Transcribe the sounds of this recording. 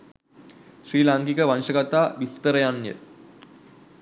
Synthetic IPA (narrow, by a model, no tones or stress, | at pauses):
ʃriːlaŋkikəʋanʂəɡat̪aːʋist̪əɾəjanjə̰